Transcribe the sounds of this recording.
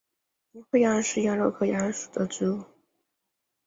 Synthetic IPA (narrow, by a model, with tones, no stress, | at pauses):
ni˧˥xwe˥˧ɪjɑ˥˧˥ʂɻ̩˥˩˧ja˥lo˥˧ʊkʰɤ˥˧ja˧˥ʂu˨˩d̪ə˦ʈ͡ʂɻ̩˧˥u˥˩